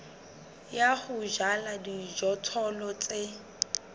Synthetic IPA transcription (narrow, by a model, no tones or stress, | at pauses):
jaχʊʒaladid͡ʒɔtʰɔlɔt͡sʼe